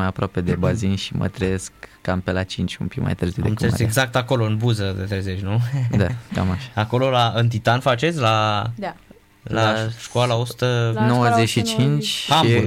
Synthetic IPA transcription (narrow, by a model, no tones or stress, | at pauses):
ajapɾoape̞d̪ebazinʃimə̰t̪ɾejeskːampelat͡ʃint͡ʃʲumpikma̰jt̪ɨɾrziuwd̪ekeeeɡzak̚t̪ako̞lo̞ɨnbuzəd̪et̪ɾejzet͡ʃʲnud̪aka̰maʃaako̞lo̞laɨnt̪̬it̪anfat͡ʃe̞t̪sʲla | laʃkoalaosu̥t̪ənowəzeʃit͡ʃint͡ʃʲaiu